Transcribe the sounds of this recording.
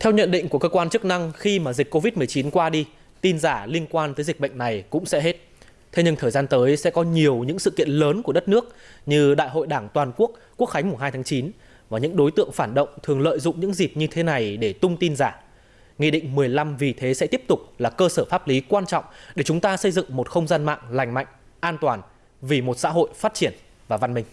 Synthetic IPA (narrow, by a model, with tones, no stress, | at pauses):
t̪ʰɛ˧wɲə̰˧˨nɗḭ̈˧˨ŋ̟ku˧˩əkəː˧kwaː˧nt͡ɕɨ˦˥k̚na˧ŋxi˧maː˨˩zi˨˩k̟̚ko˧vi˦˥t̚mɨ˨˩əjt͡ɕi˨˦nkwaː˧ɗi˧ | t̪i˧nzaː˧˩li˧ənkwaː˧nt̪əː˨˦jzi˨˩k̚ɓə̰˧˨jŋ̟na˨˩jkʊ̰˧˥ŋ͡msɛ̰˧˥ɦe˦˥t̚ | t̪ʰe˧wɲɨ˧ŋt̪ʰəː˨˩jzaː˧nt̪əː˨˦jsɛ̰˧˥kɔ˨˦ɲi˨˩əwɲɨ̰˧˥ŋsɨ̰˧˨kḭ˧˨ənləː˨˦nku˧˩ə˦ə˦˥t̚nɨ˦˥ək̚ɲɨ˧ɗa̰ː˧˨jɦo̰˧˨jɗaː˧˩ŋt̪waː˨˩nku˦˥ək̚kːu˦˥ək̚xa˨˦ŋ̟mu˨˩ɦaː˧jt̪ʰːŋt͡ɕi˨˦n | vaː˨˩ɲɨ̰˧˥ŋɗo˨˦jt̪ɨ̰˧˨əŋfaː˧˩nɗə̰˧˨wŋ͡mt̪ʰɨ˨˩əŋlə̰ː˧˨jzʊ̰˧˨ŋ͡mɲɨ̰˧˥ŋzi˨˩p̚ɲɨ˧t̪ʰe˨˦na˨˩jɗe˧˩t̪ʊ˧ŋ͡mt̪i˧nzaː˧˩ | ŋḭ˧˨ɗḭ˧˨ŋ̟mɨ˨˩əjla˧mvi˨˩t̪ʰe˨˦sɛ̰˧˥t̪i˦˥əp̚t̪ʊ˨˩k͡p̚laː˨˩kəː˧səː˧˩faː˦˥p̚li˨˦kwaː˧nt͡ɕɔ̰˧˨wŋ͡mɗe˧˩t͡ɕʊ˨˦ŋ͡mt̪aː˧sə˧jzɨ̰˧˨ŋmo˨˩t̚xə˧wŋ͡mzaː˧nma̰ː˧˨ŋla˨˩jŋ̟ma̰˧˨jŋ̟ | ʔaː˧nt̪waː˨˩n | vi˨˩mo˨˩t̚sa̰ː˧˥ɦo̰˧˨jfaː˦˥t̚t͡ɕi˧˩ən | vaː˨˩va˧nmï˧ŋ̟